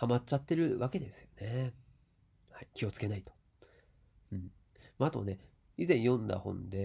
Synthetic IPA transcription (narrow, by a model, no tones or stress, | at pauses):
hamat͡ɕat̪ːe̞ɾɯ̟βake̞d̪e̞sɨ̥jo̞ne̞ | haikʲio̞t͡sɨ̥ke̞nait̪o̥ | ɯ̟̃ɴ | maat̪o̞̰ne̞ | izẽ̞ɰ̃jõ̞nd̪a̰hõ̞̰nd̪e̞